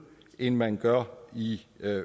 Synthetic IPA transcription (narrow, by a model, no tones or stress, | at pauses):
enmænɡ̥ɶɐ̰i